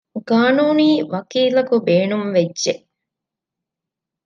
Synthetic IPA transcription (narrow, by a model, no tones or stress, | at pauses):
ɡaːnuːniːʋɐkiːlɐkubeːnumʋedʒeʔ